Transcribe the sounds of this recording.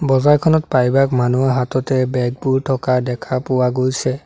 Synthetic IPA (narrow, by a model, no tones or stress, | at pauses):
bɔzajkʰɔnɔtpajbakmanuaɦatɔtɛbɛɡ̚puɹtʰɔkadɛkʰapʊwaɡojsɛ